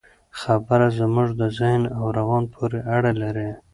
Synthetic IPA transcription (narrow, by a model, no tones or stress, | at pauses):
xabəɾazmʊʐd̪əzɪhnawɾawɑnpʰoɾeʔaɽalaɾe